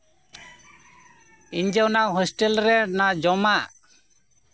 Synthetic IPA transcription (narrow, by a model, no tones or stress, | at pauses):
iɲd͡ʒeɔnaɦɔsʈelɾɛnad͡ʒɔmaʔ